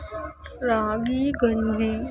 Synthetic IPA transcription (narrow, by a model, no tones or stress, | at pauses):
ɾaːɡiːɡəndiː